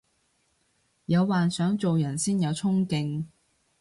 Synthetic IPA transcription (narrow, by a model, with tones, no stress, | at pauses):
jɐ˨˧wːaː˨nsœː˨˥ŋt͡so˨wjɐ˨˩nsiː˥njɐ˨˧wt͡sʰʊ˥ŋkɪ˧ŋ